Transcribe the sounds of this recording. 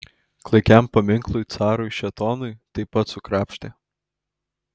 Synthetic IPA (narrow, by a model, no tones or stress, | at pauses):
klˠɐɪkʲæmpɐmʲɪŋklˠʊjt̪sɑːɾʊjʃʲɛt̪ɔːnʊjt̪ɐɪpɐt̪sʊkɾɑːpʲʃʲt̪ʲeː